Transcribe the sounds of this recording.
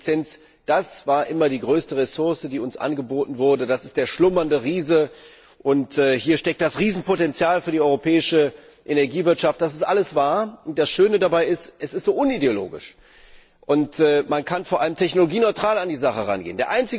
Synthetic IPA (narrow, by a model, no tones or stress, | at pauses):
t͡sɛnt͡s | d̥asv̥aːɐʔɪmɐdiːɡʁøːstəʁesʊɐsədiːʊnsʔa̰nɡəboːtn̩vʊɐdədasɪ̥std̥eːɐʃlʊmɐndəʁiːzə | ʔʊntɛːhiːɐʃtɛk̚td̥asʁiːzn̩potɛnt͡sjaːlfyːɐdiːʔɔʏʁopʰɛːɪʃə | ʔenɛɐɡiːvɪɐtʃaftd̥as̬ɪ̥stʔaləsv̥aːɐʊnt̚d̥asʃøːnədabaɪɪstʔɛsɪstz̥oːʔʊnideolo̰ːɡɪ̰ʃ | ʔʊntːmankʰanfoːɐʔaləmtʰɛçnoloɡiːnɔʏtʁ̥aːlandiːzaχəʁa̰nɡḛːəndeːɐʔaɪnt͡sɪ